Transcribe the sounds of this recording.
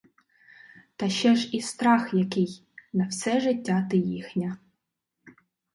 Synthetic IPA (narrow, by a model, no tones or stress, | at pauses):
t̪ɐʃɛʒist̪ɾɑxjɐkɪj | nɐwsɛʒɪtʲːat̪ɪjixnʲɐ